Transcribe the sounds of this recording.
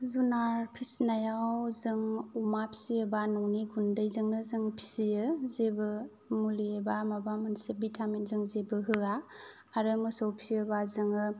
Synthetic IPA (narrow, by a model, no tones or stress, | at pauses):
zunaɾpʰisnajawzɯŋumapʰi̥siəbanɔwniɡundajzɯŋnɯzɯŋpʰi̥sijɯzebɯ | mulibamabamɯnsebitʰamenzɯŋzebɯɦɯa | aɾɯmɯsowpʰijɯbazɯŋɯ